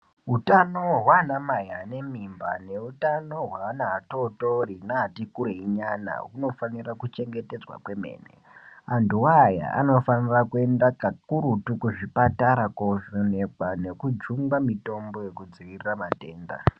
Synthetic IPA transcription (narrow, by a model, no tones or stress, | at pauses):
ɦutanoɦwanamajane̞mimba̰ne̞utano̞ɦwaːnaːtoto̞rinaːtikuɾeiɲana̰ɦuno̞fanirakut͡ʃe̞ŋɡe̞te̞d͡zwa̰kwe̞me̞̰ːnḛ | anduwaja̰a̰no̞fanirakue̞ndakakuɾutukuʐipataɾakoʐone̞kwane̞kud͡ʒuŋɡamito̞mbo̞jekud͡ziʋiriramate̞ːnda̰